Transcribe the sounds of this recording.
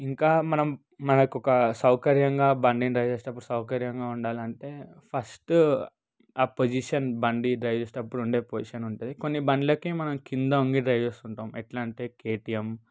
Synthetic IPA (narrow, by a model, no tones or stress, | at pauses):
iŋkaːmɐnɐmː | ɐnɐkɔkɐsɐwkɐɾjɐŋɡaːbɐɳɖinɾɐjd͡ʒeːsʈ̪ːɐpːuɽusɐwkɐɾjɐŋɡaːuɳɖaːliɐɳʈe̞ːpʰɐsʈ | aːpod͡ʒiʃɐnbɐɳɖiɖɾɐjd͡ʒeːsʈ̪ːɐpːuɽuɳɖe̞ːpod͡ʒiʃɐnuɳʈund̪iko̞nːibɐɳɖlɐːkimɐnɐmkind̪ɐuŋɡiɖɾɐjd͡ʒest̪uɳʈɐːmeʈlaːɳʈeːkeːʈijem